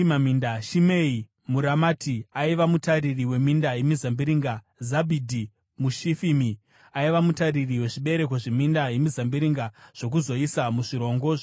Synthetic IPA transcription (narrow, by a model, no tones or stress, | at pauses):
mamindaʃimei | muɾamaːtʰiaiʋamutaririwe̞mindajemizambiɾiŋɡa | zabʱidʱi | muʃifimi | aiʋamutaririwe̞ʐiɓe̞ɾe̞koʐemindajemizambiɾiŋɡaʐ̥o̞k̬uzo̞isamuʐiɾo̞ːŋɡo